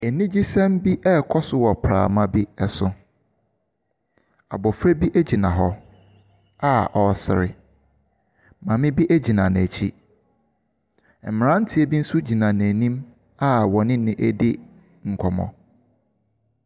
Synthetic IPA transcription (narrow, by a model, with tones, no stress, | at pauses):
e˨nĩ˦d͡ʑi˦sɛ̃˦m˦bi˦ʔɛ˦kʰɔ˦sʊ˦wɔ˨pʰɾa̰ː˨mã˦bi˦ɛ˨sʊ˨ | a̰˨bɔ˨fɾe˦bi˦ʔæ˦d͡ʑi˨nã˨ɦɔ˦ | a˦ʔɔ˨sɪ̰˨ɾɪ̰˨ | mã˨mɪ̃˦bi˦ʔæ˦d͡ʑi˨nã˨n˨t͡ɕʰi˦˨ | m̩˨mɪ̃˨ã˦n̩˦tʰɪ˨˦e˦bi˦n̩˦su˦d͡ʑi˨nã˨næ˨nĩ˦m | a˦wɔ˨nɪ̃˦nɪ̃˨ʔæ̰˦dɪ˦ | ŋ̩˨kʰɔ˨mɔ̰̃˨